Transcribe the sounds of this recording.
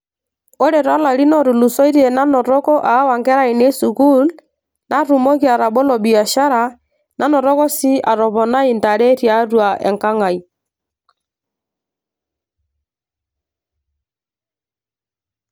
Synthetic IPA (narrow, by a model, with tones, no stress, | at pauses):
ɔ˦ɾɛ˨ɾa˦la˨ɾi˦nɔ˦˨ɾu˨lu˨sɔ˦i˦ɾɛ˨na˦nɔ˨ɾɔ˦kɔ˦ʔa˨˦wa˨ŋɡɛ˦ɾa˦i˨ne˦su˨ku˦l | na˦ɾu˨mɔ˦ki˦a˨ɾa˨bɔ˦lɔ˨bi˨a˨ʃa˦ɾa˨ | na˦nɔ˨ɾɔ˦kɔ˦si˦a˨ɾɔ˨βɔ˨na˦i˨nta˨ɾɛ˦ɾja˨˦ɾwa˨ʔɛ̰˨ŋka˦ŋa˨i˨